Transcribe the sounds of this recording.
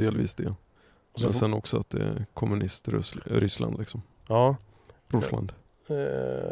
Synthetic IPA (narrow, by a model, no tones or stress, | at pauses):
d̪eːlviːsd̪ɛ | mɛnsɛnɔksɔat̪̚d̪ɛkʰɔmːɵnɪst̪ɾ̰ɾʏslʔa̰nd̪lɪksɔmː | ɾʊsla̰nd̪